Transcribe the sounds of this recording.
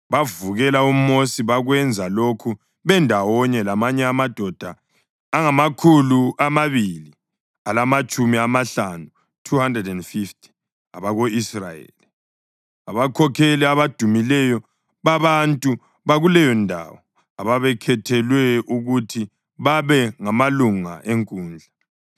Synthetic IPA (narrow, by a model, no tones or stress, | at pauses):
βavuɣɛlaumosiβaɣwɛnd͡zʱalokʰu | βɛndʱawɔɲɛlamaɲɛamad̥ʱɔd̥ʱaː | ŋamakʰuluamaβili | alamat͡ʃʼumiamaɬanu | tʰuhandrɛdɛndfiftʰʼi̥ | aβaɣoisrajḛli | aβakʰɔkʰɛlɛaβad̥ʱumilɛjɔ | βaβantʼu | βaɣulɛjɔndʱa̰wɔ | aβaβɛkʰɛtʰɛlwɛuɣutʰi | βaβɛŋamaluŋa̰ʔeŋkʼuːnd͡ɮʱa